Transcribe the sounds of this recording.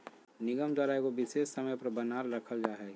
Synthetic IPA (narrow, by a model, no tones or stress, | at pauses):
nɪɡəmd̪waːɾaekobɪseːsːəməjpɐɾbənaːɾɾəkʰəld͡ʒaːɦɛː